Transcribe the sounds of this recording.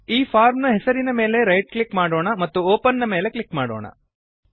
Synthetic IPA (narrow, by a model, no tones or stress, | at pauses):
iːpʰaːɾmnuɦɛsɐɾinɐme̞ːle̞ɾɐjʈ̚klikmaːɽoːɳɐmɐt̪ːuoːpɐnːɐme̞ːle̞klikmaːɽoːɳɐ̰